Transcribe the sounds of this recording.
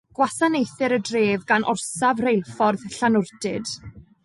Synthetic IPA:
ɡ̥wasanejθɪɾədreːvɡanʔɔ̰rsavrejlˠfɔrðɬanʊrdɪd̥

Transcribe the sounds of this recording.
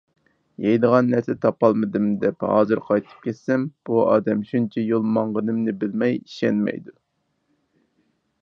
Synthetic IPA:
jejd̪əʁɑnːæɾsɛt̪ʰɑpɑlˠmɨd̪ɨmd̪ɛphɑ̰ːzɨɾqʰɑjt̪ʰɨ̥p̚kʲʰɛt̪sɛmb̥uɑ̰ːd̪ɛmʃunt͡ʃʰɛjolˠmɑɴʁənɨmnɪbɪlmɛjiʃɛnmɛ̰jd̪u

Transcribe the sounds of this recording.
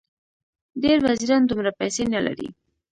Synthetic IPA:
ɖeɾwaziɾɑnd̪umɾapajsenala̰ɾḭ

